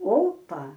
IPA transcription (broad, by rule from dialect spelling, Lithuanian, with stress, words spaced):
ˈoːpɐ